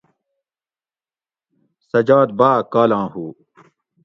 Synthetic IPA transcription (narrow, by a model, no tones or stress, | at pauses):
sɐd͡ʑaːd̪̚baːkaːlãːhuː